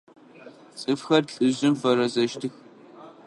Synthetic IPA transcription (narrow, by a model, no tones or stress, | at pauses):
t͡sʼɨfxɐrɬʼɨʑɪmfɐɾɐzɐʃtʰɨx